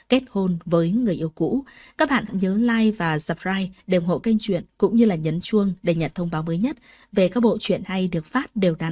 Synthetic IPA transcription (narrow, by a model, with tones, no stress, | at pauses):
ke˦˥t̚ho˧nvəː˨˦jŋɨ˨˩əjʔi˧əwkṵ˧˥kaː˦˥k̚ɓa̰ː˧˨ɲəː˨˦laː˧jvaː˨˩zə˨˩p̚zaː˧jɗe˨˩ŋ͡mɦo̰˧˨jkə˧jŋ̟t͡ɕwḭ˧˨ənkʊ̰˧˥ŋ͡mɲɨ˧laː˨˩ɲə˨˦nt͡ɕu˧əŋɗe˧˩ɲə˨˩t̚t̪ʰə˧wŋ͡mɓaː˨˦wməː˨˦jɲə˦˥t̚ | ve˨˩kaː˦˥k̚ɓo̰˧˨t͡ɕwḭ˧˨ənha˧jɗɨ˨˩ək̚faː˦˥t̚ɗe˨˩wɗa̰˧˩˨